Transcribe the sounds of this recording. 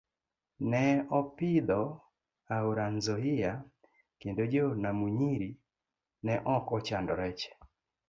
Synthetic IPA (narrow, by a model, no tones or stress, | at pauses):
nɛɔpɪd̪ɔ | auɾanzɔɪja | kendod͡ʒonamuɲiɾi | nɛʔɔkɔt͡ʃandɔɾɛt͡ʃɛ̥